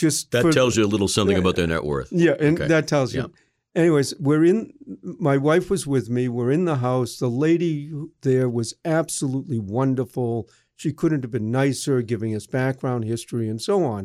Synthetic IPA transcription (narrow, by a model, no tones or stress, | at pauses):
ʒ̥ʌstðɨtfəɛlˠzjɨəlɪɾl̩ˠsʌ̃mθɪ̃ŋɨbaʊt̪̚ðə˞nɛ̰ʔwɜ̰˞θjæʔɨ̃nðɨtʰɛlˠzjɨ̰ | ɛñiweɪzwɪ˞ɪ̃nmaɪwaɪfwʌzwɪðmiwə˞ɪ̃nðəɦaʊsðəleɪɾiðə˞wʌzæb̥səlutˡliwʌ̃ndə˞fl̩ˠ | ʃikʰʊdⁿn̩tɨvbɨ̃nːaɪshə˞ɡɪvɪ̃ŋʌsb̥æk̚ɡ̥ɹãʊ̃nd̚hɪstɹ̥iɨ̃nsoʊə̃n